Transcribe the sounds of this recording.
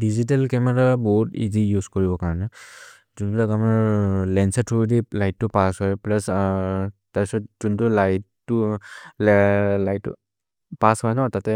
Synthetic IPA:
dizit̬ɛlkɛmɛɹabɔɦutḭzijuzkɔɹibɔkaɹɔnɛ | zunbilakamaɹlɛnsɛtʰuɹidilajtːʊpasɦɔjplas | taɹbisɔtzuntʊlajtːʊllajtːʊ̰ | pashɔjnɔtatɛ

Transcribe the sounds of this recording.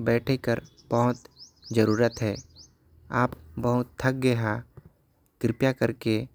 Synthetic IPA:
bɛːʈʰekəɾ | bɐɦʊt̪d͡ʒəɾuːɾət̪ɦɛː | aːpbəɦʊt̪ʰːək̚ɡeɦa | kɾɪpjakəɾke

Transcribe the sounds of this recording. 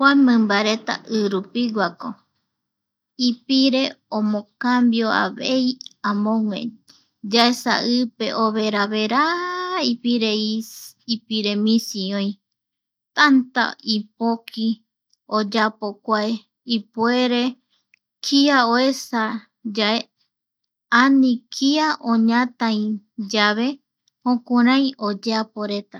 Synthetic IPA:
hwanmɨ̃mbaɾet̪a̰ʔɨɾupiɡʷako | ipiɾe̞õmõkambjoa̰βḛiãmõŋḛ̃ | d͡ʒaesa̰ɨpe̞̰ʔoβeɾaβeɾaipiɾeiipiɾemĩsiõĩj̃ | t̪ant̪a̰ipokʰi | od͡ʒapokʷae | ipueɾe | kʰiaoesa | d͡ʒae | anĩkʰiaʔõɲãt̪ãĩ | d͡ʒaβe̞ | hõkũɾãĩod͡ʒeapoɾe̞t̪a

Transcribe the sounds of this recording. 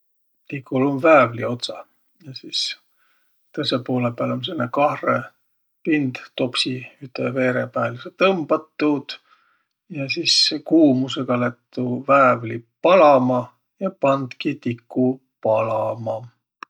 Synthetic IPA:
t̪ikːˑulumvæːvlio̞t̪sɑ | jɑsis | t̪ɤsepo̞ːlepæːlons̬enːekɑhre | pind̪̥t̪o̞psiyt̪ːˑeve̞ːɾepæːlset̪ɤmb̥ɑt̪ːud̪̥ | jɑsiːsekuːmuse̞ɡ̥ɑlet̪ːuvæːvlipɑlɑmɑ | jɑpɑnd̪̥kit̪ikːu | pɑlɑmɑ

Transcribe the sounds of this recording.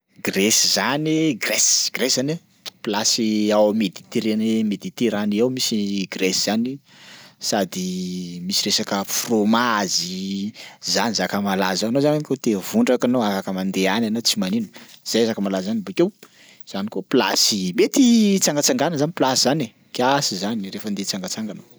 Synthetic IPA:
ɡresizaniɡrɛsɡ̥reszane | plasiawmed̪it̪eɾenemed̪it̪eɾaniewmisiɡresiz̥ani | sad̪imisiɾesakəfromazi | zanizakəmalazaanozananikot̪evuɳɖ͡ʐakanoafakəmand̪eananat͡simaninə̥z̥ajazakəmalazzanibukew | z̥anikopla̰simet̪it͡saŋɡat͡saŋɡanəzaniplasiz̥ane | kiasizanirefənd̪et͡saŋɡat͡saŋɡano

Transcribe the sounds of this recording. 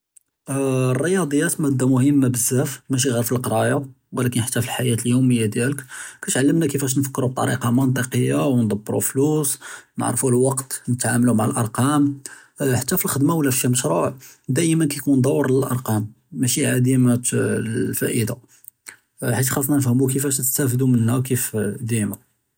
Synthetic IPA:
rˤːəjɑd̪ˤəjːæt̪mæd̪ːæmʊhəmːabəzːæfmæʃ̬iɣɑɾˤfilqɑɾˤɑja | wəlækənħḁt̪ːæfilħajæt̪əljuməjːad̪jæləkkæt̪ʕalːəmnækəfæʃ̬nfə̥kːɾub̚t̪ˤɑ̰ɾḭqɑmənt̪̬ˤəqəjːawnd̪ˤɑbːɾṵflusnə̰ʕɾfulwɑqt̪nət̪ʕaməlumaʕalʔɑɾˤqɑm | ħat̪ːæfilxəd̪mawlːæfʃiməʃɾˤuʕ | d̪æjmənkækund̪ˤɑwːəɾˤəlʔɑ̰ɾˤqɑmː | æʃiʕad̪imæ | fæ̰ʔəd̪a | ħit̪xɑlfnɑnəfhəmuk̬əfæʃəst̪æfd̪umənhækifd̪ima

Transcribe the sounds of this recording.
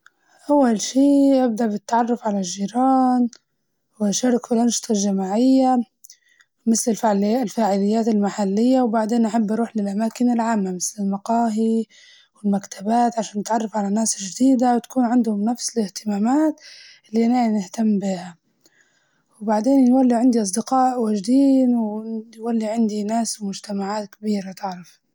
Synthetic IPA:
ʔawːalʃiːʔab̚d̪aʔbɪt̪ːaʕɑrˤːʊfʕalaʒːiːɾɑːn | wɪʔʃaːɾˤɑkbɪlanʃɪ̥t̪ˤʰɑlʒamaːʕɪjːa | mɪθlɪlalfaːʕɪlɪjːaːt̪ɪlmaħalːɪjːawbaʕd̪eːnʔaħabːʔɑɾˤuːħlɪlʔamaːkɪnɪlʕaːmːamɪθlɪlmɑqɑːɦi | wɪlmakt̪ʰabaːt̪ʕaʃaːnːɪt̪ʕɑrˤːɑfʕalanaːsɪʒd̪iːd̪awt̪ḁkuːnʕɪnd̪hʊmnafsɪlɪht̪ɪmaːmaːt̪ | ɪlːiʔnanɪht̪amːbiːha | wbaʕd̪eːnjwalːiʕɪnd̪iʔɑs̬ˤd̪ɪqɑːʔwaːd͡ʒd̪iːnwɪwalːiʕɪnd̪inaːswmʊd͡ʒt̪amaʕaːt̪kabiːɾat̪ɪʕɾɑf

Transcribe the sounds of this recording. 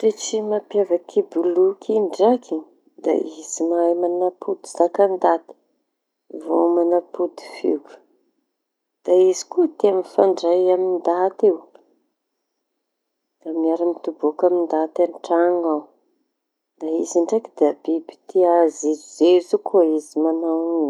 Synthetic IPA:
ret͡ʃimapjavakʰibulukʰiɳɖ͡ʐakʰi | d̪a̰izimajmanapud̪i̥zakand̪at̪i̥ | vo̰manapud̪i̥fḛɡu̥ | d̪̥aizi̥kut̪eaminfaɳɖ͡ʐajamind̪at̪ew | d̪̥amiaɾimit̪ubokamind̪at̪aɳʈ͡ʂaŋaw | d̪̥aiziɳɖ͡ʐakid̪abibi̥t̪ʰiazizizezukʰoizimanawni

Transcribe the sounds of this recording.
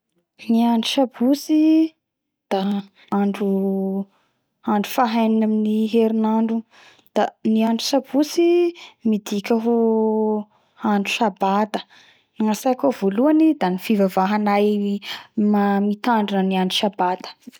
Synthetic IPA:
niaɳɖ͡ʐuʃabusi | d̪̥a | aɳɖ͡ʐu | aɳɖ͡ʐufaɦajninaminiɦeɾinaɳɖ͡ʐu | d̪̥aniaɳɖ͡ʐu̥sabusimid̪ikʲaɦu | aɳɖ͡ʐusabat̪ə̥ | ŋasajkovoluanid̪anifivavaɦanaj | mamit̪aɳɖ͡ʐanəniaɳɖ͡ʐuʃabat̪ə̥

